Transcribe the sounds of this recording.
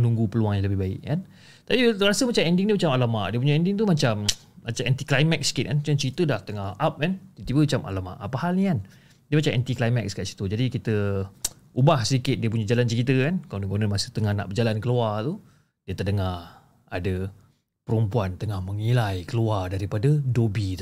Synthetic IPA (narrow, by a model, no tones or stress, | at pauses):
mənũŋɡupəluaŋjãŋləbɪɦbaɪ̰ʔkan | t̪apiɾasəmat͡ʃamɛndɪŋdimat͡ʃamalamaʔdiəpuɲaɛndɪŋt̪̬umat͡ʃamː | at͡ʃamɛnt̪iklajmɛk̚sə̥kɪt̪kanat͡ʃamt͡ʃəkit̪ədaht̪əŋahap̚kant̪it̪ibəat͡ʃamʔa̰lama̰ʔapahalnikan | diəmat͡ʃamʔɛ̰nt̪iklajmak̚skaʔsi̥t̪ud͡ʒadikit̪ə | ubahsədikɪt̪̚diəp̬uɲəd͡ʒalant͡ʃəkit̪əkankalaŋdəɡonəmasət̪əŋahna̰ʔbəd͡ʒalankəluart̪u | diət̪ədəŋar | adə | pəɾumpuant̪əŋahməŋilajkəluardaɾipadədobit̪